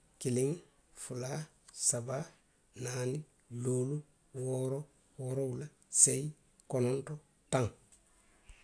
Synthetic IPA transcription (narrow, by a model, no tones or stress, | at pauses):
kiliŋ | fula | saba | naːni | loːlu | woːɾo | woɾoula | sej | kononto | tãŋ